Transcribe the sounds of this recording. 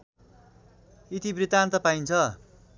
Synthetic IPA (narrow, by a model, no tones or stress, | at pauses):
it̪ibrit̪ant̪ʌpajnt͡sʰʌ